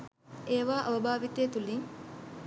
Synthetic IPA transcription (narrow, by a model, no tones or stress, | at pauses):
eːʋaːʔɐʋɐbaːʋit̪eːt̪uliŋ